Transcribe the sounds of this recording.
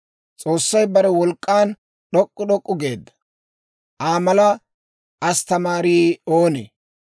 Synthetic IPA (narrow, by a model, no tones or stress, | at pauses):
t͡sʼo̞ːsːɐjbɐɾɛwɔlkʼːaːn | ɗɔkʼːʊɗɔkʼːʊɡe̞ːd̪ːɐ̥ | ʔaːmɐlɐ | ɐst̪ɐmaːɾiːoːnḛ